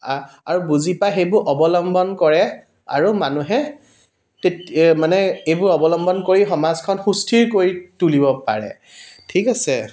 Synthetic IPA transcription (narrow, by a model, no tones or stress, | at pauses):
aɹubuzipaxejbʊɹʔɔbɔlɔmbɔnkɔɹɛ | a̰ɹumanuɦɛ | tetmanɛejbʊɹɔbɔlɔmbɔnkoɹixɔmazkʰɔnxustʰiɹkoɹitulibɔpa̰ɹɛ̰ | tʰikasɛ